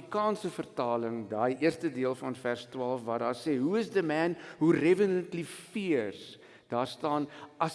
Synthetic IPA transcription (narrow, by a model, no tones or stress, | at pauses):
ikɑːnsəfərtɑːləŋdɑːjiərstədiəlˠfɐnfærstwɑːlˠfvɐːdɑːrsɛːɦuəsdəmɛːnɦurɛvənəntlifiərs | d̥ɑːrstɑːnɐs